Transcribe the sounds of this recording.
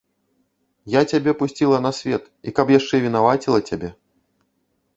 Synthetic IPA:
jat͡sʲabʲɛpusʲt͡sʲilˠɐnɐsʲvʲɛt̪ | ikɐpjaʂt͡ʂɛvʲinavat͡sʲilˠɐt͡sʲabʲɛ

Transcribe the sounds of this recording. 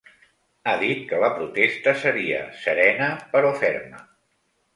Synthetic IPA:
aðit̪̚kələpɾut̪est̪əsəɾiə̰səɾɛnəpəɾɔfɛɾmə̰

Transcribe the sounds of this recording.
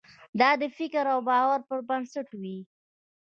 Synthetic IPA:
d̪ɑd̪əfɪkɾawbɑwaɾpəɾbansaʈwi

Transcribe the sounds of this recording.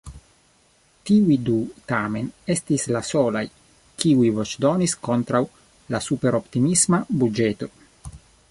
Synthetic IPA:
tiujdut̪ame̞ne̞st̪islasolaj | kiujvot͡ʃdonisko̞nt̪ɾaw | lasupe̞ɾo̞pt̪imismabud͡ʒet̪o̞

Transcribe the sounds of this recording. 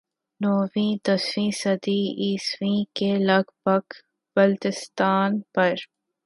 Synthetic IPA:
noːwĩːt̪ɐsfĩːsɐd̪iːiːswĩkelɐɡbɐɡ | b̥ɐlt̪ɪst̪aːnpɐɾ

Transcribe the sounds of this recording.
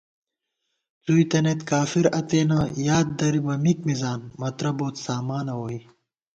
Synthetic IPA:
t͡suit̪ɐnet̪kaːfiɾɐt̪eːnɐjaːd̪̚d̪ɐɾibɐmikmizaːnmɐt̪ɾɐboːt̪saːmaːnɐwoːi

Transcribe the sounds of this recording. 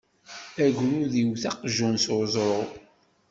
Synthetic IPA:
æʝɾuðiwθɑqʒunsozˤɾˤʊʁ

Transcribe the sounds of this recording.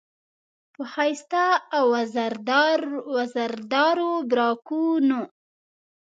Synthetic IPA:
pəhajst̪aawazaɾd̪ɾwazaɾd̪ɑɾobɾɑkuno

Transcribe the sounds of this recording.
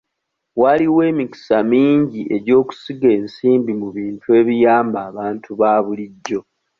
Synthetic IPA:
waliwe̞ːmiki̥samiːɲɟiʔe̞ɟo̞ːku̥siɡe̞ːnsiːmbimuβiːntʰue̞ːβijaːmbaːβaːntuβaːβuliɟːo̞

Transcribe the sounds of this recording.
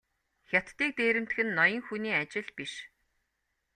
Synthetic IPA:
xʲat̪ːiːk̚t̪eːɾɘ̆m̥t̪xɘ̆nːɔjɞ̆ŋxuniːat͡ɕɪ̆ɮpiʃ

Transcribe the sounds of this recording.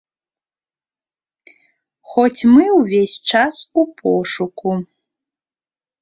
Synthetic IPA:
xɔt͡sʲmɨwvʲesʲt͡ʂasupʰɔ̰ʂuku

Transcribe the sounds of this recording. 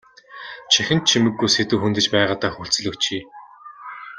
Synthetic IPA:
t͡ɕʰæxʲɪ̆nt̪t͡ɕʰimɘ̆ɡːujset̪uːxunt̪ɘ̆t͡ɕpæːʁaːt̪aːxuɬt͡sɘ̆ɮɵ̆kt͡ɕʰiː

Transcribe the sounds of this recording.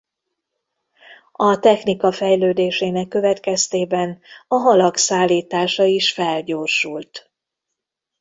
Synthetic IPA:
ɒt̪ɛxnikɒfɛjløːd̪eːʃeːnɛkːø̞vɛt̪kɛst̪eːbɛnɒɦɒlɒksaːlːiːt̪aːʃɒiʃfɛlɟoːrʃult̪

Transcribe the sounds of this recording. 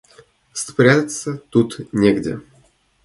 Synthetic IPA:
spɾʲæt̪ʲət̪sət̪ut̪nʲeɡdʲɪ̰

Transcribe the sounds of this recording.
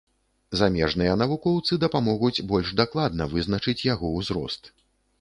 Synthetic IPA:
zamʲɛʐnɨjɐn̪ɐvukɔwt̪sɨd̪ɐpamɔɣud͡zʲbɔlʲʐd̪aklˠad̪nɐvɨznɐt͡ʂɨt͡sʲjaɣɔwzɾɔ̰st̪

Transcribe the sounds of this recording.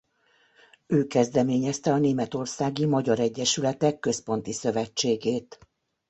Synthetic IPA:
øːkɛzd̪ɛmeːɲɛst̪ɛɒneːmɛt̪o̞rsaːɡimɒɟɒɾɛɟːɛʃylɛt̪ɛkːø̞spo̞n̪t̪isø̞vɛt͡ʃːeːɡeːt̪

